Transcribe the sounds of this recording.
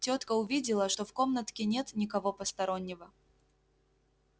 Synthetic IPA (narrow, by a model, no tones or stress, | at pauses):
tʲot̪kəʊvʲidʲɪlˠəʂt̪o̞fkomnət̪kʲɪnʲet̪nʲɪkɐvopəst̪ɐɾonʲːɪvə